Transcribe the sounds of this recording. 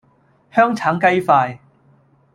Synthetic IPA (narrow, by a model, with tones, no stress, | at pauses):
hœː˥ŋt͡sʰaː˨˥ŋkɐ˥jfaː˧j